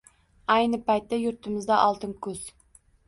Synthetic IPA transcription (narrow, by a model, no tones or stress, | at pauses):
æjnɨpɑjt̪ːɛjuɾt̪ʰɪmɪzd̪ɛʔɑlˠt̪ʰɨnkʲʰɵz̥